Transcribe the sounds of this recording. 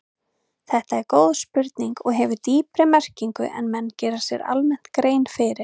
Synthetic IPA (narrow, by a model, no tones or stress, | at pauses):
θɛht̪aɛɾkoːwðspʏɾt̪niŋkɔɣɦɛvʏt̪iːpɾɪmɛr̥ciŋkʏ̰ʔɛ̰nmɛnːcɛːɾḁsjɛɾa̰lmɛn̥t̪kɾeːjnfɪɾɪɾ̥